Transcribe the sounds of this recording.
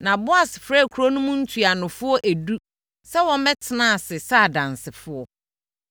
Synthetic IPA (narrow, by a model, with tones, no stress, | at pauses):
nã˨bʊ˦a˨sɪ˨fɾɛ˦˨kʰu˨ɾo˦nũ˦mʊ̃˦n̩˦tʰu˨a˨nʊ̃˨fʊ˦ɔ˦ʔæ˨du˦ | sɛ˦wɔ̃˦mɛ̃˦tʰɪ˨nã˦˨sɪ˨sa˦˨dã˨nsɪ˨fʊ˦ɔ˦